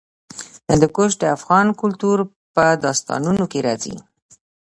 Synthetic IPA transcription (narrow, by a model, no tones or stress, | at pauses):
ənd̪əkʊʃ̬d̪əafɣɑnkʊlt̪uɾ | pəd̪ɑst̪ɑ̰nunokeɾɑzḭ